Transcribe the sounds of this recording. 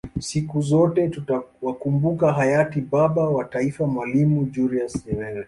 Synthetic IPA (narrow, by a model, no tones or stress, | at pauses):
sikuzɔtɛtutawakumbukaɦajatiɓaɓawataifamwalimud͡ʒuɾiasɛmɛlɛ